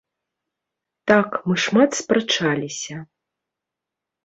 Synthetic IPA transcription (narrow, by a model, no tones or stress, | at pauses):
t̪akmɨʂmat̪spɾɐt͡ʂalʲisʲɐ